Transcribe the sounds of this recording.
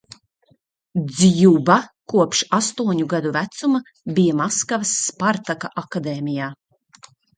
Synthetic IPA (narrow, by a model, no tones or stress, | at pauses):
d̪zʲjubakuɔpʃast̪uɔɲuɡad̪uvæt̪sumɐ | bijamaskavɨsːpaɾt̪akaʔakad̪eːmijaː